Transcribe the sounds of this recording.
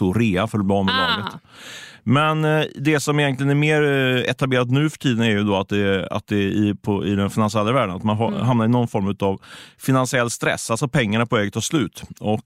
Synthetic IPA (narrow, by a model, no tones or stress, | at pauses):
uːɾeːafœɾɔb̪ɑːmːɛlɑːɡət̪ | mɛnd̪ɛsɔmɪjɛnt̪lɪənæɾmeːɾɛ̰t̪ableːɾat̪nʉ̟ːfœ̥ʈʰiːd̪ənæɾjɵd̪ɔat̪̚d̪ɛa̰t̪̚d̪ɛɪpʰɔɪ̰d̪ɛnfɪnansɪɛlːavæːɖəna̰t̪manɦ̪ɦamnaɾɪnɔnfɔɾmʉ̟ːt̪avfɪnansɪɛlːst̪ɾɛ̰sːalsɔpʰɛŋːaɳapʰɔɛːɡət̪ʰːɑːʂlʉ̟ːt̪ɔk